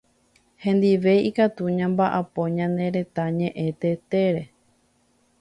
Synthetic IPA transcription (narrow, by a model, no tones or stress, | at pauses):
hẽ̞nd̪iʋe̞ikat̪uɲãmbaʔapõ̞ɲãnd̪ẽ̞ɾe̞t̪aɲẽ̞ʔẽ̞t̪e̞t̪e̞ɾe̞